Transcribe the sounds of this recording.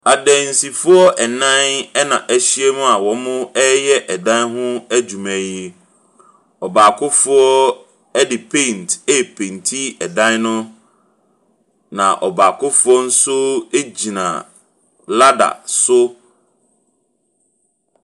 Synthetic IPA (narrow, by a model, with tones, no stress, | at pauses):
a˨dɛ̃˨n̩˨si˨fʊ˦ɔ˦ʔɛ˨nã˦nɛ˦nã˨ʔæ˨ɕi˦ɛ˦mũ˦a˨wɔ˨˦mʊ̃˦ɛ˦jɛ˦ʔɛ˨dã˦nɦʊ̃˦æ˦d͡ʑu˨mɛ̃˨ji˦ | ɔ˨baː˨kʰʊ˦fʊ˦ɔ˦ | ɛ˦dɪ˨pʰẽ˦˨nte˦˨pʰẽ˨ntʰi˦ɛ˨dã˦nnʊ̃˦ | nã̰˨ʔɔ˨baː˨kʰʊ˦fʊ˦ɔ˦n̩˦sʊ˦e˦d͡ʑi˨nã̰˨ | la˦da̰˨sʊ˦